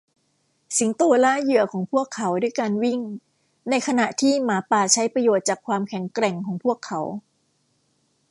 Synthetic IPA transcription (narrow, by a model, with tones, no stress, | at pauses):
si˨˩˦ŋt̪u˧laː˥˩jɯ˨˩ɐkʰɔː˩˦ŋpʰu˥˩əkʰːa˩˦wduː˥˩jkaː˧nwi˥˩ŋ | na˧jkʰa˧na˨˩ʔt̪ʰiː˥˩maː˩˦paː˨˩t͡ɕʰa˦˥jpɾa˧joː˨˩t̪̚t͡ɕaː˨˩kʰwaː˧mkʰɛ˨˩˦ŋkɾɛ˨˩ŋkʰɔː˩˦ŋpʰu˥˩əkʰːa˩˦˥w